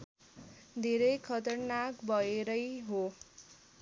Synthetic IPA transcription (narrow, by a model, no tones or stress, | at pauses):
d̪ʱeɾʌjkʰʌt̪ʌrnakbʱʌeɾʌjɦo